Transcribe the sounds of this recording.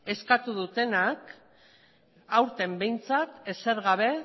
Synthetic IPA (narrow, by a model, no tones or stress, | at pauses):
e̞skat̪uðut̪e̞nak | awɾt̪e̞mbe̞jnt͡sat̪ese̞ɾɣaβ̞e̞